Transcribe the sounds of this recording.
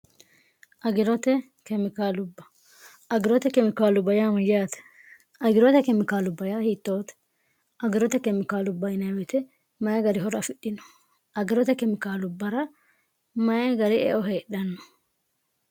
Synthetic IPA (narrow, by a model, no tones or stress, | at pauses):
ʔɐɡɪɾɔt̪ɛ | kɛmɪkaːlʊbːɐ̥ | ɐɡɪɾɔt̪ɛkɛmɪkaːlʊbɐjamɐjaːt̪ɛ̥ | ɐɡɪɾɔt̪ɛkɛmɪkaːlʊbːɐjaːhiːt̪ːoːt̪ɛ̥ | ʔɐɡɪɾɔt̪ɛkɛmɪkaːlʊbːɐjɪnɐwɛt̪ɛ | mɐjɐɡɐɾɪɦɔɾɐfɪɗːɪnɔ̥ | ɐɡɪɾɔt̪ɛkɛmɪkaːlʊbːɐɾɐ | mɐjɐɡɐɾɪʔɛ̰ʔɔɦeːɗɐnːɔ̥